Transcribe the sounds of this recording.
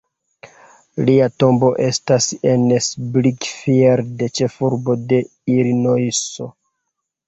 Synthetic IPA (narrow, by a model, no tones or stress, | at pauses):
liato̞mbo̞ʔe̞stase̞nsblikfieɾde̞t͡ʃe̞fuɾbo̞de̞ | iɾinojso̞